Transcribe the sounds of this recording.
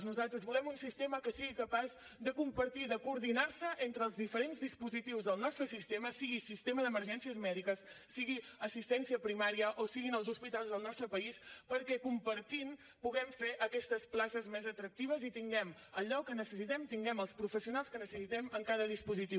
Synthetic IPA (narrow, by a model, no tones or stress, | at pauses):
znuzalˠt̪ɾəzβulɛmunsist̪eməkəsiɣikəpaz | d̪əkumpəɾt̪iðəkuːɾðinaɾsəʔent̪ɾəːlˠzðifəɾenzðispuzit̪iwzðəlˠnɔst̪ɾəsist̪eməsiɣisist̪eməðəməɾʒɛnsiəzmɛðikəsː | iɣiəsist̪ɛnsiəpɾimaɾiəʔosiɣinəlˠzuspit̪alˠzðəlˠnɔst̪ɾəpəispəɾkɛkumpəɾt̪in | puɣɛmfeʔəkɛst̪əsplasəzmezət̪ɾək̚t̪iβ̞əzit̪iŋɡɛm | əʎɔkənəsəsit̪ɛmt̪iŋɡɛməlˠspɾufəsiunalˠskənəsəsit̪ɛməŋkaðəðispuzit̪i